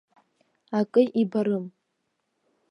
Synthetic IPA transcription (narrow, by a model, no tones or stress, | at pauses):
akʼɨʔibaɾɨm